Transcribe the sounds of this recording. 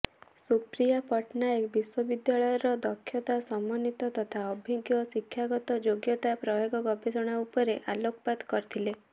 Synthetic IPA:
supɾijapɔʈnaekbiswɔbid̪jaɭɔjɔɾɔd̪ɔkʰːjɔt̪asɔmːɔnit̪ɔt̪ɔt̪ʰaɔbʱiɡjɔsikʰːjaɡɔt̪ɔd͡ʒoɡjɔt̪apɾɔjoɡɔɡɔbʱesɔɽ̃aupɔɾeʔalokɔpad̪kɔɾit̪ʰile

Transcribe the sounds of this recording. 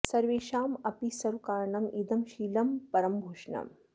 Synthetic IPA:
sɐɾʋeːʃaːmɐpisɐɾukaːɾɳɐmid̪ɐmʃiːlɐmpɐɾɐmbʱoːʃɳɐ̰m

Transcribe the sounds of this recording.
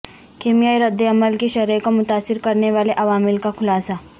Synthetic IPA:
keːmijaːiɾɐd̪ːeɐməlkiʃɐɾekomʊt̪aːsːɪɾkɐɾneʋaːleʔɐʋaːmɪlkaxʰʊlaːsa

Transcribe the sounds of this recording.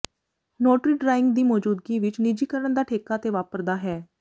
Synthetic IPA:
noːʈɾiːɖɾaːɪŋɡd̪iːmɔːd͡ʒuːd̪ɡiːʋɪt͡ʃnid͡ʒiːkəɾənd̪aːʈʰeːkaːt̪eːʋaːpəɾd̪aːɦɛː

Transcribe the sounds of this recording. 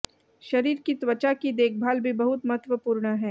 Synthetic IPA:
ʃɐɾiːɾkit̪wət͡ʃakid̪eːkʰbʱaːlbʱibɐɦʊt̪mɐɦət̪ʋəpuːɾɳəɦɛː

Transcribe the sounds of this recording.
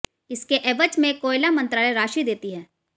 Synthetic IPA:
ɪskeʔɛːʋət͡ʃmẽkoːɪlamɐ̃nt̪ɾaːleɾaːʃid̪eːt̪iɦɛː

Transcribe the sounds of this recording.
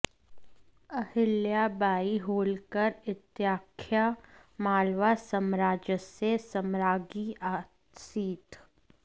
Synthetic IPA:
ɐhɪljabaːiɦoːlkəɾɪt̪jaːkʰjamaːlʋasəmɾaːd͡ʒəsesəmɾaːɡiaː | siːt̪

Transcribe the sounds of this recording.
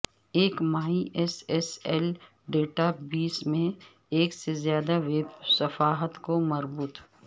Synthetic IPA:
eːkmaːiʔɛsɛsɛːl | ɖeːʈabiːsmẽ | eːksezjaːd̪aʋeːbsɐfaːɦət̪komɐɾbuːt̪

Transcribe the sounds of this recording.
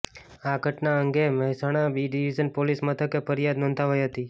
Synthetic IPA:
aɡʱəʈnaəŋɡeməɦɛsaɽ̃abiɖiʋid͡ʒənpolismət̪ʰəkepʰəɾjad̪nə̃nt̪ʰaɦojɦət̪i

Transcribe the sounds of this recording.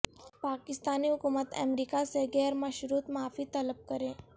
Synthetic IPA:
pakist̪aniːɦukumət̪ə̰meɾikaseɡɛɾmaɕɾuːt̪maːfiːt̪ələp̚kəɾẽ

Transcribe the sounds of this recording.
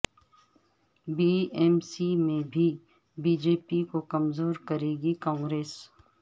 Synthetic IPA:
biːɛːmsimẽbʱi | biːd͡ʒeːpikokɐmzoːɾkɐɾeːɡikɔ̃ːŋɡɾeːs

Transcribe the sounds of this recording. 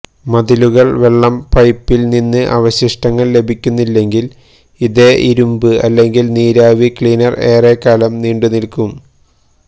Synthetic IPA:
mɐd̪iluɣɐɭʋe̞ɭːɐmpɐjpːilninːɨʔɐ̰ʋɐɕiʂʈɐŋːɐɭle̞bʱikʲːunːilːe̞ŋɡil | iðe̞ːʔiɾumbɨɐlːe̞ŋɡilniːɾaːʋikɭiːnɐre̞ːre̞ːkːaːlɐmniːɳɖunilkum

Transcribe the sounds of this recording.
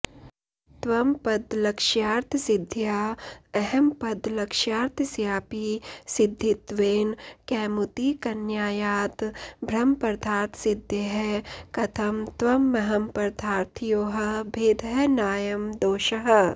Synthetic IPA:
t̪ʋɐmpɐd̪lɐkʃjaːɾt̪ʰsɪd̪ʱjaːɛɦɛmpɐd̪ʱlɐkʃjaːɾt̪ʰsjaːpisɪd̪ʱːit̪ʋeːnkɛːmut̪ikɐnjaːjaːt̪bʱɾɐmpɐɾd̪ʱaːɾt̪ʰsɪd̪ʱjeɦɛkɐt̪ʰɐmt̪ʋɐmːɐɦɐmpɐɾd̪ʱʰaːɾt̪ʰjoːɦɐ̆bʱeːd̪ʱənaːjɐmd̪oːʃɐɦɐ̆

